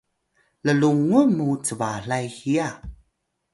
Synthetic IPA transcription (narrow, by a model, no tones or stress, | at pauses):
ləluŋumut͡səvaɬajxia